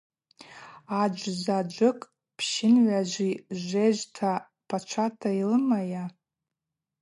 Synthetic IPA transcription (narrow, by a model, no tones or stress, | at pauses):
ad͡ʒʷzad͡ʒʷɨkʼ | pʰʃɪnʕʷaʒʷiʒʷeʒʷtʰa | pʰat͡ʃʷʰatʰailɨmaja